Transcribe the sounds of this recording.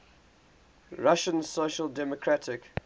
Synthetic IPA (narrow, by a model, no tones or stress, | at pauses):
ɹaʃə̃nsoʃəlˠdɛmɔkʰɹatʰɪk